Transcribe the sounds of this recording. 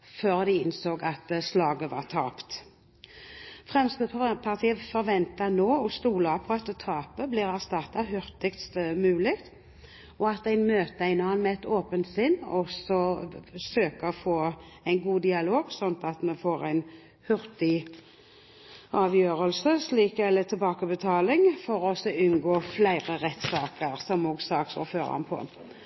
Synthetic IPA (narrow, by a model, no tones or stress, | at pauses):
føːʁd̪ɪɪnsoːɡɑt̪slɑːɡəʋɑ̰ːt̪ʰɑːpt̪ | fʁɛmsk̪əpʰɑʁt̪ʰiːəfɔɾʋɛnt̪ɑnoːɔst̪uːlɑpʰɔɑt̪t̪ʰɑːpəbliːʁæʁst̪ɑt̪ːɑhʏʁt̪ɪkt̪st̪mʉːlɪkt̪ | ɔɑt̪æɪnmøːt̪əæɪnəhɑnmɛɛt̪oːpənt̪sɪnːɔsɔsøːkəfoː | æɪnɡuːd̪ɪɑloːɡsɔnt̪ɑt̪mɛfoːɾæɪn | hʉɾt̪ɪ | ɑːʋjøːɾəlsəsliːkɛlət̪ʰɪlbɑːkəbət̪ʰɑːlɪŋfɔɾɔsɔʉnɡoːflæɪʁəʁɛt̪sɑːkəɾsɔmoːɡsɑːksɔ̰føːɾɑ̰npʰɔ̰